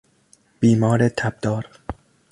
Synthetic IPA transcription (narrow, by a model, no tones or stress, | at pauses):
b̥iːmɒːɾet̪ʰæb̚d̪ɒːɾ